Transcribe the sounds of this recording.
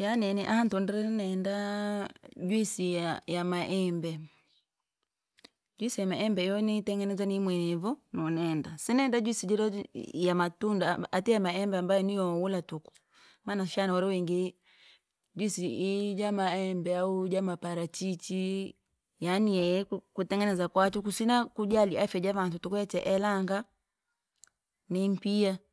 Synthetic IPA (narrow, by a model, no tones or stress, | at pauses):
janɛniʔahantɔndɛɾɛnɛnda | d͡ʒwisiajamaʔɛmbɛ | d͡ʒwisijamaʔɛmbɛijɔnitɛŋɡɛnɛzanimwɛnɛvɔnɔnɛndasinɛːndad͡ʒwisid͡ʒɔɾɔjamatundaatijamaɛmbɛambajɔniɔwulatuku̥ | maːnaʃanaɔɾɔwɛŋɡi | d͡ʒwisiid͡ʒamaɛmbɛaud͡ʒamapaɾat͡ʃit͡ʃi | janiɛkutɛŋɡɛnɛzakwat͡ʃukusinakud͡ʒaliafɛd͡ʒavatutukuɛt͡ʃɛʔɛlaŋɡa | nimpia